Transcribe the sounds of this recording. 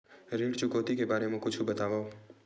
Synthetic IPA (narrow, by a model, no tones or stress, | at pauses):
ɾeːɽt͡ʃʊkoːt̪ikebaːɾemẽkʊt͡ʃʰubɐt̪aːʋao